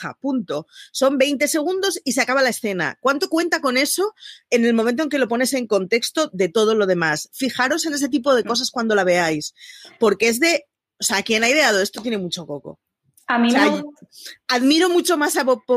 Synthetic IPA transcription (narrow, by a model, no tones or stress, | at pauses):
a̰punt̪o̞so̞mbe̞jnt̪e̞se̞ɣ̞und̪o̞siseakaβ̞alae̞sθe̞na̰kwant̪o̞kwe̞nt̪ako̞ne̞so̞e̞ne̞lmõment̪oeŋke̞lo̞po̞ne̞se̞ŋko̞nt̪e̞kst̪o̞ðe̞t̪o̞ð̞o̞lo̞ð̞e̞masfixaɾo̞se̞ne̞s̬e̞t̪̬ipo̞ð̞e̞ko̞s̬askwand̪o̞laβ̞e̞ajspo̞ɾkeezðe̞ | oseakje̞najðe̞aðoe̞st̪ot̪jene̞mut͡ʃo̞ko̞ko̞̰ | amise | aðmiɾo̞mut͡ʃo̞masaβoo